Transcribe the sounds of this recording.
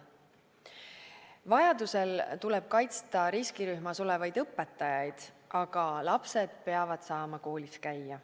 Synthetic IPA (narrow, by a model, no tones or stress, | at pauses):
vɑjɑd̪use̞lt̪ulɛb̥̚kɑjt̪st̪ɑɾiskiɾyhmɑso̞lɛ̞vɑjd̪ɤpːˑe̞t̪ːˑɑjɑjd̪̥ | ʔɑɡ̥ɑlɑpse̞d̪̥̚pe̞ɑvɑd̪̥sɑːmɑko̞ːlʲiskæjːɑ